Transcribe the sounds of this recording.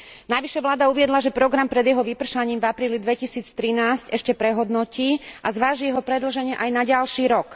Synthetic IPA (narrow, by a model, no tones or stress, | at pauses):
naʋiʃɛʋlaːd̪auʋɪɛd̪laʒɛpɾɔɡɾampɾɛd̪jɛɦɔʋipr̩ʃaɲiːmvapɾiːlid̪ʋɛcisiːt͡st̪ɾinaːscɛʃcɛpɾɛɦɔd̪nɔciːʔazʋaːʒijɛɦɔpɾɛd̪l̩ʒɛɲɪɛʔajnaɟalʃiːɾɔk